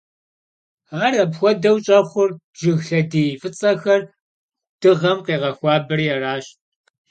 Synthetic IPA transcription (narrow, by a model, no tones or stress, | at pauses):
aːrɐbxʷɔdɐwt͡ʃʼɐχʷʊrb̥ʒɪɣɬɐdiːfɨt͡sʼɐxɐr | d̥ɨʁɐmqeːʁɐxʷɑːbɨrijɛraːɕt